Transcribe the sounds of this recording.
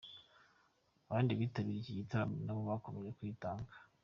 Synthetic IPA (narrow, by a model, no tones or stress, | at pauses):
aβaːndiβiːtaβiɾiɟijitaɾaβnaβoβakomejekwiːtaːŋɡa